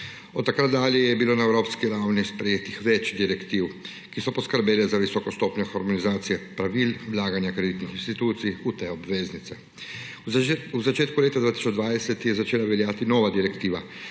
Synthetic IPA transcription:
ɔt̪ːakɾat̪̚d̪aːliɛjɛbilonaɛwɾoːpskiɾawnispɾɛjeːt̪ixʋɛt͡ʃd̪iɾɛkt̪iːw | kisɔpɔskəɾbeːlɛzaʋisɔkɔst̪oːpɲɔxɔɾmɔnizaːt̪sijɛpɾaʋiːlwlaːɡanjakɾed̪it̪nixinst̪it̪uːt̪sijut̪ɛɔbʋeːznit̪sɛ | uzat͡ʃeːt̪kuleːt̪ad̪vaːt̪i̥sɔd͡ʒd̪ʋaːd̪ɛsɛt̪jɛzat͡ʃeːlaʋɛljaːt̪inɔːʋad̪iɾɛkt̪iːʋa

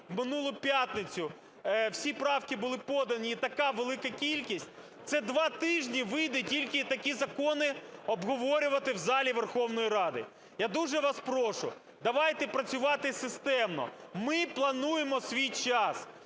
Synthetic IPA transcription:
wmɪnulˠʊpʲjat̪nɪt͡sʲʊ | wsʲipɾɑwkɪbʊlˠɪpɔd̪ɐnʲiːt̪ɐkɑʋelˠɪkɐkʲilʲkʲisʲt̚ʲ | t̪sɛd̪ʋɑt̪ɪʒnʲiʋɪjd̪ɛtʲilʲkɪt̪ɐkʲizɐkɔnɪɔbɦɔʋɔɾʲʊʋɐt̪ɪwzɑlʲiʋerxɔwnɔjiɾɑd̪ɪ̰ | jad̪uʒɛʋɑspɾɔʃʊ̰ | d̪ɐʋɑjt̪ɛpɾɐt͡sʲʊʋɑt̪ɪsɪst̪ɛmnɔ̰mɪplˠɐnujemɔsʲʋʲijt͡ʃɑs

